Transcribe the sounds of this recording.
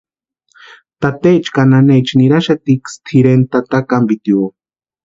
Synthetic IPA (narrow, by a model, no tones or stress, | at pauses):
t̪at̪eːt͡ʃkananet͡ʃniɾaʃat̪ikst̪ʰiɾent̪at̪akambit̪jo